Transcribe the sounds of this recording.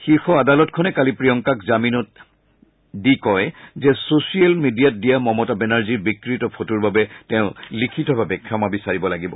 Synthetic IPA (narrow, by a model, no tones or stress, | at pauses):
xiɹxɔadalɔtkʰɔnɛkalipɹijɔŋkakzaminɔt̚ | dikɔjzɛsosialmidijat̚dijamɔmɔtabɛnaɹziɹbikɹitɔpʰotuɹbabɛtɛʊ̃likʰitɔbʱabɛkʰɹamabisaɹibɔlaɡibɔ